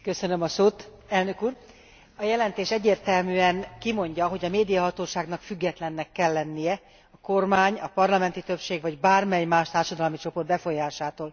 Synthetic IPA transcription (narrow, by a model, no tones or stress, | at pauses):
kø̞sønømɒsoːt̪ | ɛlnø̞kuːr | ɒjɛlɛnt̪eːʃɛɟːeːrt̪ɛlmyɛŋkimo̞ɲɟɒɦo̞ɟɒmeːd̪ijɒɦɒt̪oːʃaːɡn̪ɒkfyɡːɛt̪lɛnːɛkːɛlːɛnːijɛ | ɒko̞rmaːɲɒpɒrlɒmɛnt̪it̪ø̞pʃeːɡvɒɟbaːrmɛjmaːʃt̪aːrʃɒd̪ɒlmit͡ʃo̞po̞rt̪bɛfo̞jaːʃaːt̪oːl